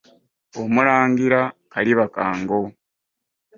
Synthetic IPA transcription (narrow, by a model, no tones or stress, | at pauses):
omuɾaːŋɡiɾakaliβaka̰ːŋɡo̞